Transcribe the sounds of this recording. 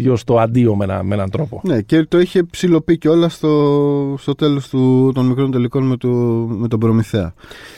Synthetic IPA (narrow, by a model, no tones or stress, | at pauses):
jost̪o̞ɐnd̪io̞menɐ̰menɐnt̪ɾo̞pone̞ce̞t̪o̞içe̞psilo̞piceo̞lɐst̪o̞st̪o̞t̪e̞lost̪ut̪o̞nmikɾo̞nt̪eliko̞nmet̪ome̞t̪o̞bɾo̞miθe̞ɐ̰